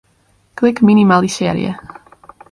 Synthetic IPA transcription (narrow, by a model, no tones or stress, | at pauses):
kʰlɪkminimalˠisɛɾḭə̰